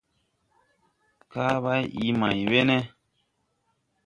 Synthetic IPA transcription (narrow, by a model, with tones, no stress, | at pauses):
ka˦βa˦ji˨ma˨jbe˦nɛ˦